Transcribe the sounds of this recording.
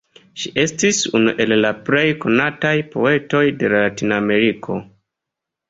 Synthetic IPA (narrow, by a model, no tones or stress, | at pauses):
ʃiʔe̞stisunṵʔe̞lːaple̞jko̞natajpo̞e̞to̞jde̞laatiname̞ɾikʰo̞̰